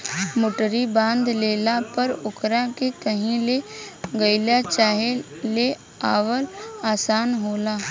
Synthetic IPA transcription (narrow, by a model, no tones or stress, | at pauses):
mʊʈəɾibãːnd̪leːlapəɾʊkɾakekəɦĩleɡəɪlat͡ʃaːɦe | le | aːʋəlaːsaːnɦoːlaː